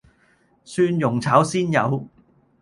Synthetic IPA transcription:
syː˧njʊ˨˩ŋt͡sʰaː˨˥wsiː˥njɐ̰˨˧w

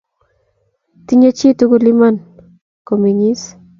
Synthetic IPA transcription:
tiɲe˦t͡ʃi˦tuku˦li˦man | ko˨mi˨ɲi˦s

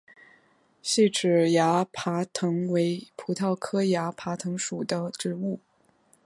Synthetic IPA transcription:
ɕi˥˩ʈ͡ʂɻ̩˨˩ja˧˥pʰa˧˥t̪ʰɤ˧˥ŋwe˧˥ɪpʰu˧˥t̪ʰɑ˥˩ʊkʰɤ˥ja˧˥pʰa˧˥t̪ʰɤ˧˥ŋʂu˨˩d̪ə˦ʈ͡ʂɻ̩˧˥u˥˩

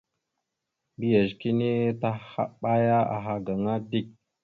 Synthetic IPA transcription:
bi˦ja˨ʒki˦ni˦ta˦ha̰˦ɓa˦ja˦a̰˨ɦa˨ɡa˨ŋa˦di˦˨k̚

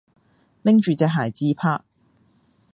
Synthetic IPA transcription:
lɪ˥ŋt͡ʃyː˨˧t͡sɛː˧ɦaː˨˩jt͡siː˥pʰaː˥

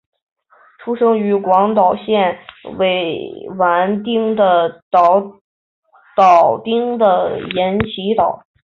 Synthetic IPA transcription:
ʈ͡ʂʰu˥ʂɤ˥ŋy˧˥kwɑ˧˥ŋt̪ɑ˨˩ʊɕjɛ˥˩nwe˧˥˩ɪwa˧˥nt̪i˥ŋd̪ə˨t̪ɑ˧˩ʊ | t̪ɑ˨˩ʊt̪i˥ŋd̪ə˨jɛ˧˥nt͡ɕʰi˧˥t̪ɑ˨˩˦ʊ

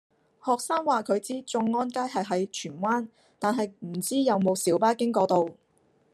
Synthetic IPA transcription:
hɔː˨k̚saː˥ŋwaː˨kʰɵ˨˧ɥt͡siː˥t͡sʊ˧ŋːɔː˥nkaː˥jɦɐ˨jɦɐ˨˥jt͡ʃʰyː˨˩nwaː˥n | t̪aː˨nɦɐ˨jm̩˨˩t͡siː˥jɐ˨˧wmo˨˧wsiː˨˥wpaː˥kɪ˥ŋkɔː˧t̪o˨w

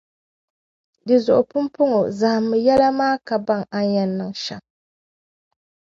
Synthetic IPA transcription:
dɨ˨zʊ˨ʔʊ˨pʊ˦mpʊ˦ŋo˨za˨hɨ˨mːɨ˨jɛ˦la˦maː˦ka˨ba˦ŋa˨ɲɛ˨nːɨ˨ŋʃa̰˨ŋ

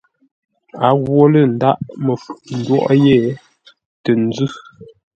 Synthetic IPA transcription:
a˨˦ɣwo˦lə˦˨n̩˨da˦˨ʔmə˨fʔn̩˨dwɔ̰˦˨ʔje˦˨ | tə˨n˦d͡zʉ˦

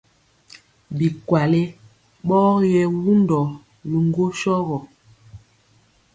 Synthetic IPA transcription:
bi˨kwa˨le˦ | ɓɔː˦jɛ˦wu˦ndɔ˨ | li˨ŋ˦ɡo˦ʃɔ˦ɣɔ˨

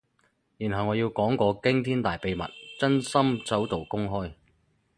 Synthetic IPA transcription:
jiː˨˩nɦɐ˨wŋɔː˨˧jiː˧wkɔː˨˥ŋkɔː˧kɪ˥ŋt̪ʰiː˥nt̪aː˨˩jpe˨˧jmɐ̰˨˩t̚t͡sɐ˥nsɐ˥mt͡sɐ˨˥wt̪o˨˩wkʊ˥ŋɦɔː˥j

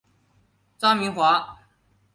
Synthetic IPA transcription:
t͡sa˥mi˧˥ŋxwa˧˥

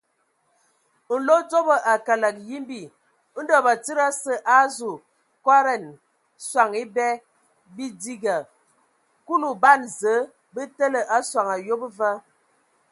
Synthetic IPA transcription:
n̩˨lo˦d͡zo˦bə˨ʔa˨ka˨la˨k̚ji˦mbi˨˦ | də˨ba˨ti˦ɾa˦sə˦ʔa˦zu˨ | kwa˦ɾɛ˨n | swa˨ŋi˦bɛ˦ | bi˦di˦ɡa˨ | ku˦lu˨ba˦˨nzə˨˦ | bə˦tə˦lə˨ʔa˦swa˨ŋa˨jo˦bvə˦

